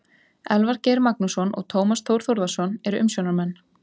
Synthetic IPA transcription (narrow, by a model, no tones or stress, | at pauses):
ɛlvaɾcejɾmak̚nusɔnʔɔ̰ɣt̪ʰoːwmast̪ʰowɾ̥θoɾðasɔnɛɾʏʔʏmsjownaɾmanː